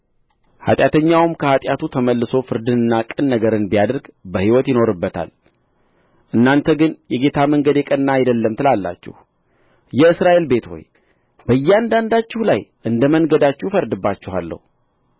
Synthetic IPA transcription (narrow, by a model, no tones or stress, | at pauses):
ha̰t̪ʼjat̪ʰəɲːawmkʰəhat̪ʼjat̪ut̪ʰəməlːɨso̞fɨɾd̪ɨnɨnːakʼɨnːəɡəɾɨnbijad̪əɾɡbəhiwɔt̪jɪno̞ɾɨbːət̪ʰa̰l | ʔɨnːant̪ʰəɡɨnjɛɡe̞t̪ʰaməŋɡəd̪jɛkʼənːajɛd̪əlːəmt̪ʰɨlalːa̰t͡ʃːɪ̰h | jɛɨsɾaʔe̞lbe̞t̪ho̞̰j | bəjːɛand̪and̪at͡ʃːɪhlajʔɨnd̪əmənɡəd̪at͡ʃːɪhfəɾd̪ɨbːat͡ʃːɪha̰lːə̰hu